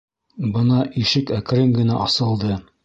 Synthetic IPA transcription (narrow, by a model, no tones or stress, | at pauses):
bɤnɑʔiʃɘkæk̆ɾɘŋɡɘ̆næʔɑsɤ̆lˠd̪ɤ